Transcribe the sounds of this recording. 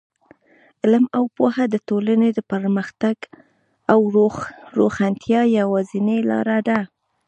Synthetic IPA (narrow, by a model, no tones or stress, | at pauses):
ɪlmawpohad̪ətolaned̪əpəɾməxt̪aɡ | awɾoxant̪ʰjɑjawɑzinelɑ̰ɾaɖ̪a